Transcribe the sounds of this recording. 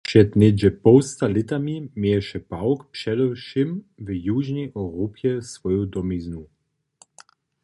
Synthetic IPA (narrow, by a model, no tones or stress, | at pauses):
pʃɛt̪nɛd͡ʒɛpɔwst̪alɪt̪amimɛɛʃɛpawkpʂɛdɔwʃɪm | vəjuʒnɛjʔɔɾopjɛsvɔjod̪ɔmiznu